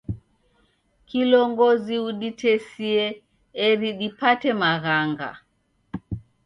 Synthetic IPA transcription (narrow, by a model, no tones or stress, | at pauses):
kilɔŋɡɔziuɗitʰɛsiɛː | ɾiɗipatɛmaɣaŋɡa̰